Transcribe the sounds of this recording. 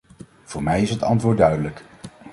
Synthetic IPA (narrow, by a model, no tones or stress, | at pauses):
v̥ʊːɹmɛjɪsɦətɑ̰ntʋʊːɹdœɥdələk